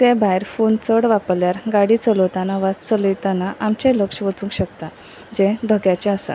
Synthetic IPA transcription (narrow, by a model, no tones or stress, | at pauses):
t̪ebʱajɾfunt͡səɽʋapljaɾɡaɽit͡səlɔt̪anaʋat͡sələjt̪anaʔamt͡ɕẽləkʂəʋət͡sũŋkɕəkt̪a | d͡ʑẽd̪ʱəɡjat͡ɕeasa̰